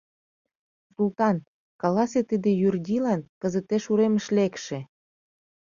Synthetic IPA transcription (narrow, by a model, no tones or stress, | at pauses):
sult̪ɑnt̪ | kɑlɑset̪əd̪ejyrd̪ʲilɑnkəzət̪eʃuɾeməʃlekʃĕ